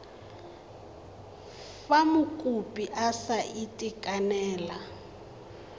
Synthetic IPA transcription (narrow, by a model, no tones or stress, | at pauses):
famʊkʼupʼiʔasaʔitʼikʼanɛːla